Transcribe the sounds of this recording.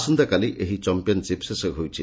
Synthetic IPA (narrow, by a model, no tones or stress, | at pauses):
sund̪akaliʔʔeɦit͡ʃɔmpijɔnt͡ʃipsesɔɦowt͡ʃʰḭ